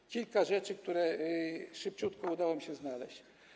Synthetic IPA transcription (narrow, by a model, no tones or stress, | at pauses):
kʲilkaʐɛt͡ʂɘk̚t̪uɾɛ | ʂɘp̚t͡ɕut̪kɔud̪awɔmiɕɛznalɛ̰ɕt͡ɕ